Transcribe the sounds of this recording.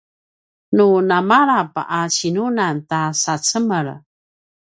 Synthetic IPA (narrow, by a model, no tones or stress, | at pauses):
nunamaɾapat͡ɕinunantasat͡səməɭ